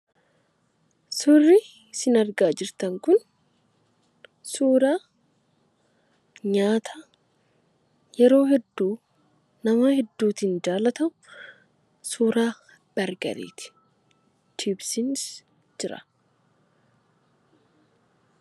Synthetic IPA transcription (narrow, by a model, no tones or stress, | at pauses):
sʊrːɪ | sɪnɐɾɡaːd͡ʒɪɾt̪ɐŋkʊn | suːɾaː | ɲaːt̪ʰɐ | jɛɾo̞ːhɛd̪ːuː | nɐmɐhɛd̪ːuːt̪ɪnd͡ʒaːlɐt̪ɐmʊ | suːɾaː | b̥ɐɾɡɐ̰ɾḛːt̪ɪ̥ | t͡ʃʰiːbsɪns | d͡ʒɪɾɐ̰̥